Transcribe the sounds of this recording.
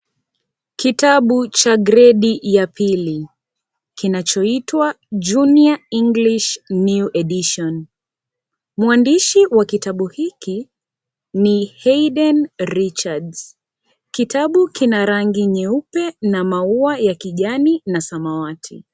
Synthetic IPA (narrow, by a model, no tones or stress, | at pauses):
kitaɓut͡ʃaɡɾɛɗijapʰili | kinat͡ʃɔitwa | d͡ʒuniaiŋɡliʃnuʔɛɗiʃɔn | muandiʃiwakitaɓuhiki | nihɛiɗɛnɾit͡ʃadz | kitaɓukinaɾaŋɡiɲɛupɛnamauajakiʄaninasamawatʰi